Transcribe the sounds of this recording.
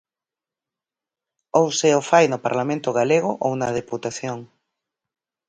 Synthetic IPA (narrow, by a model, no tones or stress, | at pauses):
owseofajnʊpaɾlamẽnt̪ʊɣaleɣ̞ʊʔownɐðeput̪aθjoŋ